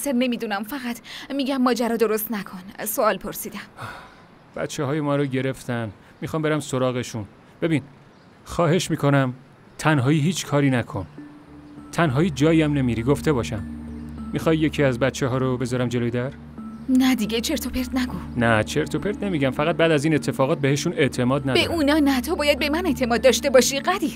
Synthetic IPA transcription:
seɾne̞miːd̪unæmfæɣæt̪ʰmiːɟæmːɒːd͡ʒæɾɒːd̪o̞ɾost̪nækʰo̞nsoɒːlpʰoɾsiːd̪æm | b̥æ̰t̪t͡ʃʰeɦɒːjemɒːɾoɟe̞ɾe̞ft̪ʰæn | mixɒːmbe̞ɾæmso̞ɾɒːɣe̞ʃun | b̥e̞biːn | xɒːɦe̞ʃmiːkʰo̞næm | t̪ʰænɦɒːiːɦiːt͡ʃʰkʰɒːɾiːnækʰo̞n | t̪ʰænɦɒːiːd͡ʒɒːiæmne̞miːɾiːɡo̞ft̪ʰe̞bɒːʃæmːixɒjːe̞cʰiːæzbæt̪t͡ʃʰeɦɒːɾobe̞zɒːɾæmd͡ʒelojed̪æɾ | næd̪iɡet͡ʃʰe̞ɾt̪ʰopʰeɾt̪næɡofnæt͡ʃʰe̞ɾt̪ʰopʰe̞ɾt̪ne̞miːɟæmfæɣæt̪̚bæːd̪æziːne̞t̪ʰːe̞fɒːɣɒːt̪̚beɦeʃune̞ʔt̪ʰe̞mɒːd̪næbeʔunɒːnæt̪ʰobɒːjæd̪̚be̞mæneʔt̪ʰe̞mɒːd̪ːɒːʃt̪e̞bɒʃiɢæd̪i

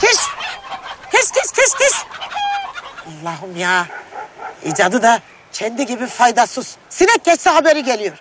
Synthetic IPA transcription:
kʰiʃ | kʰiʃk̪ʰiʃk̪ʰiʃk̪ʰiʃ | alˠːaːɦumjaː | ḭd͡ʒad̪ɯd̪a | t͡ʃʰɛnd̪iɟibifajd̪asuz̥sinɛk̚ʲʰːɛt͡ʃsɛɦabeɾiɟelʲijoɾ̥

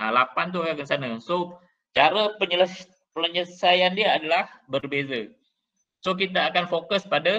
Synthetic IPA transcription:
alapant̪̬ukakənsanaso | t͡ʃaɾəpəɲələ | pələɲəsajandiaːdalahbərbeza | sok̬it̪aːkanfokʊspada

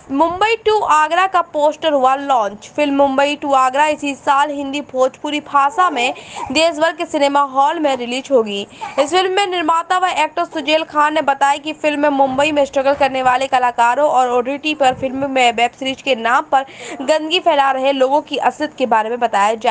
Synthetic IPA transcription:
mʊ̃mbəiʈuːʔaːɡɾakapoːsʈəɾɦualɔ̃ːɲt͡ʃfɪlmːʊ̃mbəiʈuːaːɡɾaɪsisaːlɦɪ̃nd̪ipʰoːt͡ʃpuːɾipʰaːsamẽd̪eːs̬bɐɾɡ̚kesɪneːmaɦɔːlmẽɾɪliːʃɦoːɡiːɪsfɪlmːẽnɪɾmaːt̪aʋaiʔɛːk̚ʈəɾsʊd͡ʒeːlkʰaːnːebɐt̪aːjakifɪlmːẽmʊ̃mbəimẽsʈɾɐɡəlkɐɾneʋaːlekɐlaːkaːɾõʔɔːɾɔːɖɾɪʈipɐɾfɪlmmːẽʋɛːbsɾiːt͡ʃkenaːmpɐɾɡɐ̃nd̪ɡipʰɛːlaɾɐɦeloːɡõkiʔɐsət̪kebaːɾemẽbɐt̪aːjad͡ʒaː

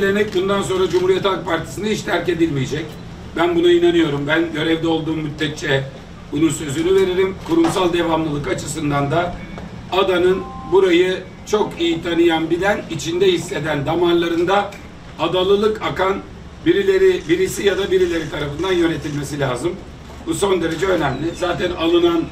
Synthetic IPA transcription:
lʲenɛc̚bund̪ans̬o̞nɾad͡ʒumhuɾijɛt̪ak̚pʰaɾt̪ʰi̥sɯnaiʃt̪ʰæɾce̞d̪ilʲmijed͡ʒɛc | bænbunainanɯjo̞ɾumbænɟø̞ɾɛvd̪ɛo̞lˠd̪uːmːyt̪ːɛt̪̚t͡ʃɛ | bununsø̞zynyve̞ɾiɾimkʰuɾumsalˠd̪e̞vamlˠɯlˠɯkat͡ʃʰɯsɯnd̪and̪a | ad̪anɯnbuɾajɯ | t͡ʃʰo̞kijit̪ʰanɯjanbid̪ænit͡ʃʰind̪ɛhisːe̞d̪ænd̪amanlˠaɾɯnd̪a | ad̪alˠɯlˠɯkakan | biɾilʲe̞ɾibiɾisijad̪abiɾilʲe̞ɾit̪ʰaɾafɯnd̪anjø̞ne̞t̪ʰilʲme̞s̬ilʲaːzɯm | buso̞nd̪e̞ɾe̞d͡ʒɛø̞nɛmlʲɪzaːt̪ʰɛnalˠɯnan

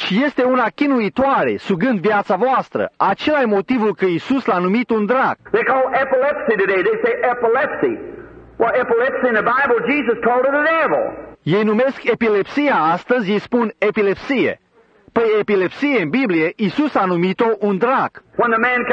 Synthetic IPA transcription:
ʃije̞st̪e̞unakʲinuit̪oaɾe̞̰suɡɨnd̪vjat̪savoast̪ɾə̰ʔat͡ʃe̞lajmo̞t̪ivulkəisuslanumit̪und̪ɾaɡ̥ðeɪkʰɔlˠɛpəlɛpsiɾɨdeɪðeɪseɪʔɛpəlɛpsḭwɛɾɛpəlɛpsiɨ̃nðəbaɪbl̩ˠd͡ʒizəskʰɔlˠdəɾədavl̩ˠje̞jnume̞ske̞pile̞psijaast̪əzʲjejspune̞pile̞psije̞̰ | pəjepile̞psije̞ɨnbiblije̞ʔisusanumit̪o̞ʔund̪ɾaɡ̥wə̃nðəmæ̃n

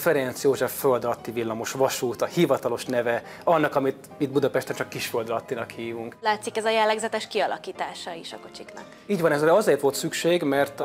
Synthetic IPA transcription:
fɛɾɛnt̪sjoːʒɛfːøld̪ɾɒt̪ːivilːɒmo̞ʃʋɒʃuːt̪ɒhivɒt̪ɒlo̞ʃnɛvɛ | ɒnːɒkɒmit̪ | id̪̚bud̪ɒpɛʃt̪ɛnt͡ʃɒkːiʃføld̪ɒt̪ːinɒkhiːvuŋklaːt̪sikɛzɒjɛlːɛɡzɛt̪ɛʃkiɒlʔɒkiːt̪aːʃɒiʃɒko̞t͡ʃiknɒ̰k | iːɟvɒnɛzɾɛɒzeːrt̪ʋo̞lt̪sykʃeːɡmɛrt̪

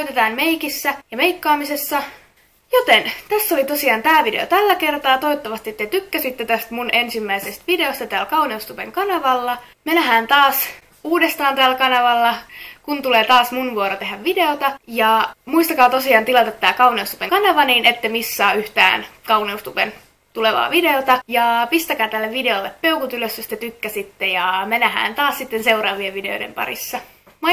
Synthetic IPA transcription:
oyt̪et̪ɑːnmejkisːæjɑme̞jkːɑːmise̞sːɑ | jot̪ent̪æsːo̞lit̪o̞siɑːnt̪æːʋidḛo̰t̪ælːæke̞rt̪ɑːt̪ojt̪ːɑʋɑst̪iet̪ːet̪ykːæsit̪ːet̪æst̪munʔe̞nsimːæisest̪ʋide̞ost̪ɑt̪æːlkɑwneust̪upeŋkɑnɑʋɑlːɑ | menæɦæːnt̪ɑːs | uːdest̪ɑːnt̪æːlkɑnɑʋɑlːɑkunt̪uleːt̪ɑːsmunʋuoɾot̪e̞ɦæʋʋide̞ot̪ɑjɑmuist̪ɑkɑːt̪o̞siɑːnt̪ilɑt̪ɑt̪ːæːkɑuneust̪upeŋkɑnɑʋɑniːnet̪ːemisːɑːyht̪æ̰ːnkɑuneust̪upen | t̪uleʋɑ̰ːʋide̞ot̪ɑjɑpist̪ækæːt̪ælːeʋide̞olːeppe̞ukut̪yløsjost̪æt̪ykːæsit̪ːejɑmenæhæ̰ːnt̪ɑːssit̪ːense̞urɑːʋieʋʋide̞o̰jdḛmpɑ̰ɾḭsːɑ | mɑ

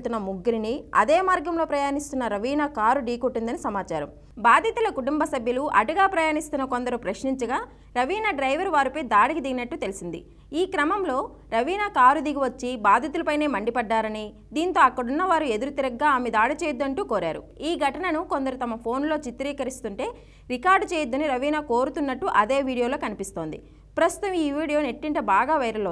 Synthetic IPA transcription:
t̪unːɐmuɡːɾiniɐ̰d̪eːmaːɾɡɐmlo̞ːpɾɐjaːnist̪unːɐɾɐʋiːnakaːɾuɖiːkoʈːind̪ɐnisɐmaːt͡ʃaːɾɐm | baːd̪ʱit̪ulɐkuʈumbɐsɐbʱjɐluʔɐ̰ʈuɡaːpɾɐjaːnist̪unːɐko̞nd̪ɐɾupɾɐʃniɲt͡ʃɐɡaː | ɾɐʋiːnaːɖɾɐjʋɐɾʋaːɾipɐjd̪aːɽikid̪iɡinɐʈːut̪e̞lisind̪ḭ | iːkɾɐmɐmlo̞ː | ɾɐʋiːnakaːɾud̪iɡiʋɐt͡ʃːibaːd̪ʱit̪ulɐpɐjne̞ːmɐɳɖipɐɖːaːɾɐni | d̪iːnt̪o̞ːɐkːɐɽunːɐʋaːɾue̞d̪uɾut̪iɾɐɡːaːaːmed̪aːɽit͡ʃeːjd̪ːɐɳʈuːko̞ːɾa̰ːɾṵiːɡʱɐʈɐnɐnuko̞nd̪ɐɾut̪ɐmɐpʰo̞ːnlo̞ːt͡ʃit̪ːɾiːkɐɾist̪uɳʈe̞ː | ɾikaːɾɖt͡ʃeːjud̪ːɐniɾɐʋiːnaːkoːɾut̪unːɐʈːuʔɐd̪e̞ːʋiːɽijoːlo̞ːkɐnipist̪o̞ːnd̪ḭ | pɾɐst̪ut̪ɐmiːʋiːɽijo̞ːne̞ʈːiɳʈɐbaːɡaːʋɐjɾɐlo

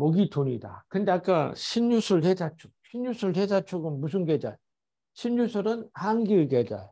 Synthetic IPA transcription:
mʌɡitoɲida̰kɯnde̞ak͈aɕʰinjusʰɯɭhʰesʰat͡ɕʰu̥k̚ɕʰinjusʰɯɭʰesʰat͡ɕʰuɡɯnmus̬ʰɯnɡed͡ʑa̰j | ɕʰinjusʰɯɾɯnhaŋɡiɭɡed͡ʑa̰j

